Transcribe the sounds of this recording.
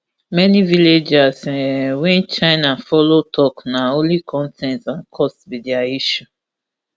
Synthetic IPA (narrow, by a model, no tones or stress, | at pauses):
mɛniviled͡ʒaswɛ̃nt͡ʃaɪnafɔlotʰɔknaõlikʰɔ̃ntʰɛ̃ntãnkʰɔstbidiaiʃu